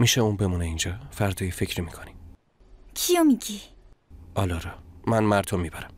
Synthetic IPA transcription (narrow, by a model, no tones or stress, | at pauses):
miʃeuːnbe̞muneind͡ʒɒːfæɾd̪ɒːjefe̞cʰɾimikʰoni | kʰijomiɡi | ʔɒːlɒɾɒmænmæɾd̪ʰomiːbæɾæm